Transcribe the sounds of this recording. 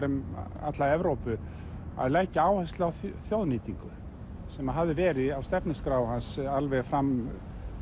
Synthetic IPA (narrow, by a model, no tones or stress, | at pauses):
ɾʏma̰t̪laɛvɾowpʏ | a̰ðlaːjcɪaːwhɛst̪lawθθjowðniːt̪iŋkʏ | sɛmaðɦavðɪvɛːɾɪawst̪ɛpnɪskɾaːwhansalvɛɣfɾam